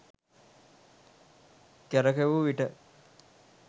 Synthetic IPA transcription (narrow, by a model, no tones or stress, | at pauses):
kæɾəkeʋuʋiʈə